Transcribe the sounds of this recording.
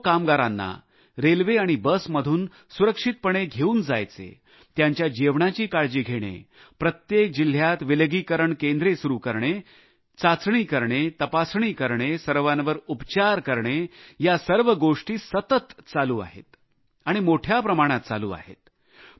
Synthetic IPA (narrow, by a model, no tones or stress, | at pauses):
kamɡaɾanːa̰ | ɾelʋeaɽ̃ibəsməd̪ʱuːn | suɾəkʂit̪̚pəɳeɡʱeuːnd͡za̰jt͡sḛ | t̪jaɲt͡ɕjad͡ʑeʋɳat͡ɕiːkaɭd͡ʑiːɡʱeɽ̃ḛ | pɾət̪jek̚d͡ʑil̤jat̪ʋilɡiːkəɾəɳkẽnd̪ɾesuɾuːkəɾɳe | t͡sat͡sɳiːkəɾɳet̪əpasɳ̃iːkəɾɳesəɾʋanʋəɾupt͡ɕaɾkəɾɳejasəɾʋəɡoʂʈiːsət̪ət̪t͡saluːa̰ɦḛt̪ | aɽ̃imoʈʰjapɾəmaɽ̃at̪̚t͡sa̰lṵːa̰ɦḛt̪